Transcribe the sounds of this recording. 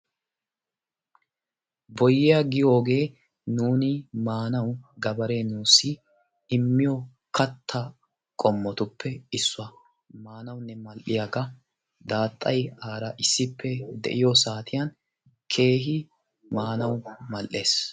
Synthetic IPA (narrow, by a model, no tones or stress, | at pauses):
bɔjːɪjɐɡɪjoːɡe̞ː | nuːnɪmaːnɐwɡɐbɐɾe̞ːnuːsːɪ | ɪmːɪjo | kɐt̪ʰːɐ | kʼɔmːɔt̪ʊpːɛɪsːʊɐ | maːnɐwnːɛmɐlʔɪjaɡɐ | d̪aːt̪ʼːɐjaːɾɐʔɪsːɪpʰːɛd̪ɛ̰ʔɪjosaːt̪ʰɪjɐn | kʰe̞ːɦɪ | maːnɐwmɐlʔe̞ːs